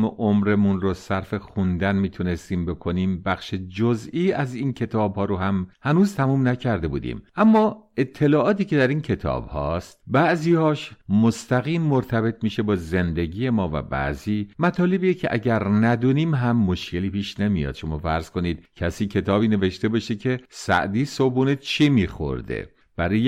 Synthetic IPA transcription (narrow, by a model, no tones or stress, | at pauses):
meʔomɾe̞munɾosæɾfe̞xund̪ænmiːt̪ʰune̞st̪iːmbe̞kʰo̞niːmbæxʃed͡ʒoziːæziːncʰe̞t̪ʰɒːbhɒːɾohæmhænuːzt̪ʰæmuːmnæcʰæɾd̪e̞bṵːd̪ḭmʔæmːɒːe̞t̪ʰːe̞lɒːʔɒːt̪iːce̞d̪æɾiːncʰe̞t̪ʰɒ̰ːbhɒːst̪bæʔziːhɒːʃmost̪æɣiːmːoɾt̪ʰæbe̞t̪ʰmiːʃe̞bɒːze̞nd̪e̞ɟiːje̞mɒːvæ̰bæ̰ʔziːmæt̪ʰɒːle̞bijecʰḛʔæɟæɾnæd̪uːniːmɦæmːoʃce̞liːpiːʃne̞mijɒ̰ːd̪̥ʃo̞mɒːfæɾz̥kʰo̞niːd̪̥̚cʰæsiːcʰe̞t̪ʰɒːbiːne̞ve̞ʃt̪e̞bɒʃecʰe̞sæ̰ʔd̪iːsobuːnet͡ʃʰimiːxo̰ɾd̪ḛ | b̥æɾɒːje